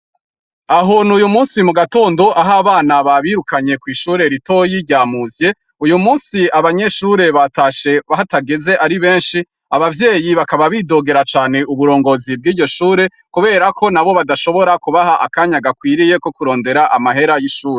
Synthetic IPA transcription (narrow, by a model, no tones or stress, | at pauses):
aɦonujumuːnsimuɡato̞ːndo̞ʔaɦaβaːnaβaβiːɾukaɲe̞kwiːʃuːɾe̞ɾito̞jiɾɟaːmuːzje̞ | ujumuːnsiʔaβaɲe̞ʃuːɾe̞βataʃe̞βaɦataɡe̞ze̞ʔaɾiβeːnʃi | aβavjeːjiβakaβaβido̞ɡe̞ɾat͡ʃaːne̞ʔuβuɾo̞ːŋɡo̞zib̚ɡiːɟo̞ʃuːɾe̞ | kuβe̞ːɾakʰo̞naβo̞βadaʃo̞βo̞ɾakuβahaʔa̰kaːɲaɡakwiːɾije̞ko̞kuɾo̞ːnde̞ɾaʔamaɦe̞ɾajiʃuːɾe